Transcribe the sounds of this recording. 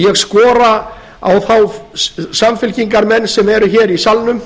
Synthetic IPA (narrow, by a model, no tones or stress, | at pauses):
jɛɣskɔːɾa | a̰wθawsamfɪlciŋkaɾmɛnːsɛmɛɾʏçɛːɾisalnʏm